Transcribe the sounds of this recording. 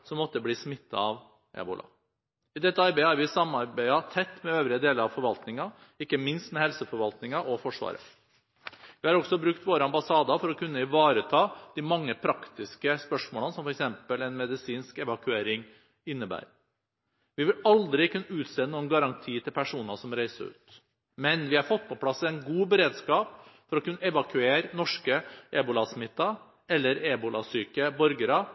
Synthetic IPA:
sɔmːɔt̪ːəbliːsmɪt̪ːɑ̰ɑʋ | ʔɛ̰ːbʊ̰lʔɑ̰ | ɪd̪ɛt̪ːəɑɾbæɪəhɑɾʋɪsɑmːɑɾbæɪɑt̪ʰɛt̪ːmɛøːʋɾɪəd̪eːləɾɑʋfɔɾʋɑlt̪nɪŋɑ | ɪkːəmɪnst̪mɛhɛlsəfɔɾʋɑlt̪nɪŋɑʔɔfɔʂʋɑ̰ːɾə̰ | ʋɪhɑɾɔɡsɔbɾʉkt̪ʋoːɾəɑmbɑsɑːd̪ɑfɔɾɔkʰʉnːəɪʋɑːɾət̪ʰɑːd̪̥imɑŋːəpʰɾɑkt̪ɪskəspœʂmoːlənsɔmfɔɾɛksɛmpəlɛnmɛd̪ɪsiːnskɛʋɑkʉeːɾɪŋ | ɪnːəbæ̰ːɾ | ʋɪʋɪlɑld̪ɾɪkʰʉnːəʉːt̪seːnuːənɡɑɾɑŋt̪ʰiːt̪ʰɪlpʰæʂuːnɑsɔmɾæɪsə̰ʉ̰ːt̪ | mɛnʋɪhɑɾfɔt̪̚ːpʰɔpʰlɑsːɛɪnɡuːbəɾeːd̪skɑːpfɔɾɔkʉnːəɛʋɑkʰʉeːɾnɔʂkəʔɛbʊlɑsmɪt̪ːɑ | ɛlːəɾebʊlɑ̰syːkəbɔɾɡəɾɑ

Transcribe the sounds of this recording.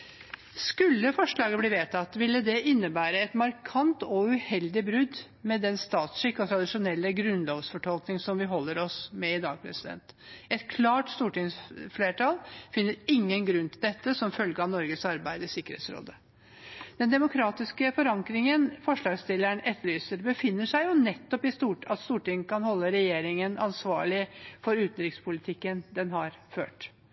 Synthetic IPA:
skʉlːəfɔʂɭɑːɡəbliːʋeːt̪ʰɑt̪ːʋɪlːəd̪ɛʔɪnːəbæːɾəɛt̪mɑɾkʰɑnt̪ɔʉhɛld̪ɪbɾʉd̪ | mɛd̪ɛnst̪ɑːt̪sʂɪkːɔt̪ʰɾɑd̪ɪʂʊnɛlːəɡɾʉnloːʋsfɔʈʰɔlknɪŋsɔmʋɪɦɔlːəɾɔsmɛɪd̪ɑːɡ̚pʰɾɛ̰sɪd̪ɛ̰nt̪ɛt̪kʰlɑːʈst̪uːʈɪŋsfleːʈʰɑlfɪnːəɾɪŋːənɡɾʉnːt̪ʰɪld̪ɛt̪ːəsɔmfœlɡəɑnɔɾɡəsɑɾbæɪd̪əsɪkːəɾhḛːt̪sɾo̰ːd̪ə | d̪̥ɛnd̪ɛmʊkʰɾɑːt̪ɪskəfɔɾɑŋkɾɪŋənfɔʂɭɑːɡst̪ɪlːæɳɛt̪ʰːəɭyːsəɾbəfɪnːəʂæɪjʊnɛt̪ːɔpɪst̪uːʈɑt̪st̪uːʈɪŋkʰɑnhɔlːəɾɛjeːɾɪŋənʔɑnsʋɑːɭɪfɔɾʉːt̪n̩ɾɪkspʰʊlɪt̪ʰɪkːənd̪ɛnɦɑɾfø̰ːʈ

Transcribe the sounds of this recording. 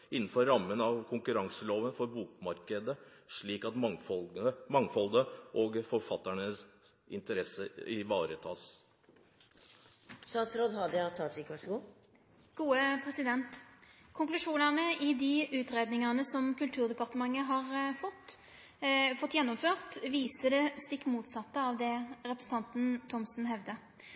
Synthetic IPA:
ɪnn̩fɔɾɾɑmːənɑʋkʰʊŋkʉɾɑŋsəloːʋənfɔɾbuːkmɑɾkəd̪ə | ʂɭiːkɑt̪fɔmɑŋfɔld̪əʔoɡfɔɾfɑt̪ːæɳəs | ɪ̰nt̪əɾɛsəɪʋɑːɾət̪ʰɑːs | st̪ɑːt̪sɾoːd̪ɦɑd̪ɑt̪ʰɑːt̪iːkʋæʂɡuː | ɡ̥uːəpʰʁɛsɪd̪ɛnt̪kʰʊŋklʉʂuːnɑnəʔɪd̪ɪʉːt̪ʁeːd̪nɪŋɑnəsɔmkʉlt̪ʰʉːʁd̪ɛpɑʁt̪əmɑŋːəɦɑʁfɔt̪ | fɔt̪ːjɛnːɔmføːʁt̪ʋiːsəd̪ɛst̪ɪkːmuːt̪sɑt̪ːəɑːʋd̪ɛɾɛpɾʁsn̩t̪ɑnt̪n̩t̪ʰɔmsn̩ɦɛʋd̪ə

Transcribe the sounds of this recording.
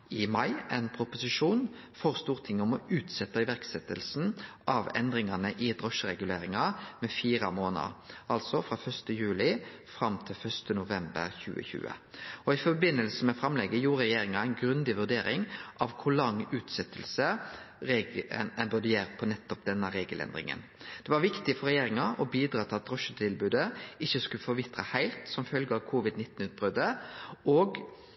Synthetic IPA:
ɪmɑɪɛnpʰɾʊpʊsɪʂuːn | fɔʁst̪uːʁt̪ʰɪŋːɔmɔʉːt̪sɛt̪ːɑɪʋæʁksɛt̪ːəlsn̩ʔɑʋɛ̰nd̪ɾɪŋɑnəʔɪd̪ʁɔʂəɾɛɡʉleːɾɪŋɑmɛfiːɾɑmoːnə̰ɾɑlsɔfɾɑːfœʂst̪əjʉːlɪfɾɑmt̪ʰɪlfœʂt̪ənʊʋɛmbə̰ɾçʉ̰ːə̰çʉ̰ːə̰ɔɪfɔbɪnːəlsəmɛfɾɑmlɛɡəjuːɾʁɛjeːɾɪŋɑæɪnɡɾʉnd̪ɪʋʉʁd̪eːɾɪŋʔɑʋkʰʊlɑŋːʉːt̪sɛt̪ʰːəlsə | ɾeːɡ̰nɛbʉd̪əjeːɾəpʰɔnɛt̪ːɔp̚d̪ɛnːəɾeːɡəlʔɛ̰nd̪ɾɪ̰ŋə̰n | d̪̥ɛʋɑɾʋɪkt̪ɪfɔɾɛjeːɾɪŋɑʔɔbiːd̪ɾɑːt̪ʰɪlɑt̪ɾɔʃət̪ʰɪlbʉːd̪əɪçːəskʉləfɔɾʋɪt̪ɾə̰hæɪlt̪sɔmfœlɡəɑʋkʰuːʋɪd̪nɪt̪ːn̩ʉːt̪̚bɾœd̪əɔːɡ

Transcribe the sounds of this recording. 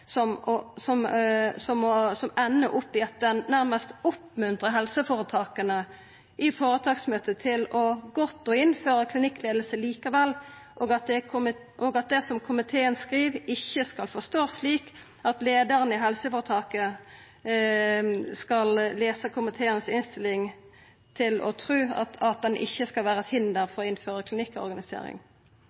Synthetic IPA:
sɔmɔsɔmsɔmɔsɔmɛnːəʔʊpːɪɑt̪̚d̪ɛnːæʁməst̪ʊpmʉnt̪ʁəɦɛlsəfoːʁət̪ʰɑːkənə | ʔɪfoːɾət̪ʰɑːksmøːt̪ət̪ʰɪlɔɡɔt̪ːɔːɪnføːʁəkʰlɪnɪkːleːd̪lsəliːkɑʋɛlː | ʔoːɡɑt̪̚d̪ɛm | ʔɔːɡɑt̪̚d̪ɛsɔmkʰʊmɪt̪ʰeːənskʁiːʋɪçːəskɑlfɔʁst̪oːsliːk | ɑt̪leːd̪əʁənəɪɦɛlsəfɔːʁt̪ʰɑːkə | skɑlleːsəkʰʊmɪt̪ʰeːənəsɪnst̪ɪlɪŋ | t̪ʰɪlɔ̰t̪ʰɾʉːɑ̰t̪ɑt̪̚d̪ɛnʔɪ̰çːəskɑlʋæːʁəɛt̪hɪnd̪əɾfɔʁɔɪnføːʁəkʰlɪnɪkːɔ̰ɾɡɑnɪsḛːɾɪ̰ŋ

